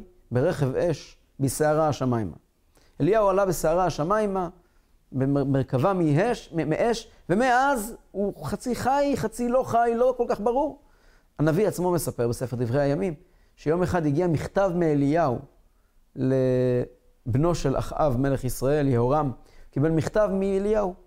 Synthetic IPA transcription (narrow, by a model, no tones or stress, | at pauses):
beʁeχe̞veʃ | biseaʁaaʃamajma̰ | elijaualabeseaʁaaʃamajma | bemeʁkavamiemeʔeʃ | ve̞meazuχat͡siχajχat͡silo̞χajlo̞ko̞lkaχbaʁuʁ | anaviat͡smo̞me̞sape̞ʁbese̞feʁd̪ivʁejajamim | ʃejo̞meχad̪iɡiamiχt̪avmeeliau | le | bno̞ʃe̞la̰χʔa̰vme̞le̞χisʁae̞ljehoʁamkibe̞lmiχt̪avmielijau